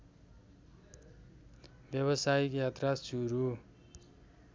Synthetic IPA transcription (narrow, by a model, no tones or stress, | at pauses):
bjʌβʌsaikjat̪rasuɾu